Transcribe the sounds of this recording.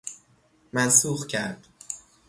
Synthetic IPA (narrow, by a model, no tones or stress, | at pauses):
mænsuːxcʰæ̰ɾd̪̥